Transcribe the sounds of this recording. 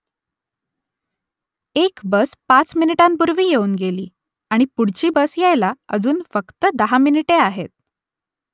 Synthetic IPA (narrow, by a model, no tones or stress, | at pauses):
ekbəspat͡sminiʈãmbuɾʋiːjeuːnɡeliː | aɽ̃ipuɽ̤t͡ɕiːbəsjajlaə̰d͡zuːnfəkt̪əd̪əɦaminiʈeaɦet̪̚